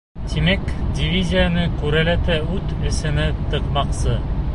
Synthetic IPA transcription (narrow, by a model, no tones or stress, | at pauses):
t̪imækdʲɪvʲizʲijanɤkʉɾælæt̪ɘʉt̪ɘ̆sɘ̆nɘt̪ɤ̆qmɑqsɤ